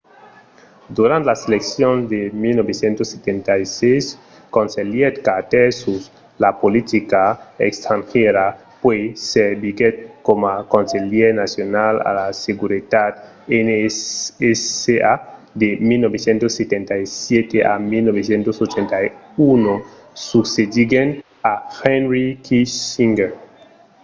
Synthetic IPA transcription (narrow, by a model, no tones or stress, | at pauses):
d̪uɾãnt̪elaseleksjõnd̪emilnobesjẽnt̪osːet̪ent̪ajses | kõnseljet̪kat̪esus | lapolit̪ikaḛkst̪ɾãŋxeɾa | pweseɾbiɡet̪̚komakõnseljeɾnasjonala̰laseɡuɾit̪at̪ | eneeead̪emilnobesjẽnt̪oset̪ent̪aisjet̪eʔa̰milnoβesjẽnt̪osot͡ʃent̪ai | uno | suksed̪iɡen | axɛnɾikʰiiŋɡeɾ